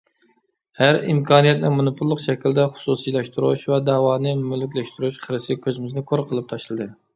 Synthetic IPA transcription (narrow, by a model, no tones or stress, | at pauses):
hæɾimkʰɑːnijɛt̪̚nɪmonupʰʊlˠːəqʃɛkʲild̪ɛχʊ̥susilˠɛʃt̪uɾuʃvɛd̪ɑːwɑːnɨmylɪkʲlɛʃt̪uɾuʃqʰəɾɨsɪkʲʰøzɪmɪznɪkʰoɾqʰəlˠɨp̚t̪ʰɑʃlˠɨd̪ɨ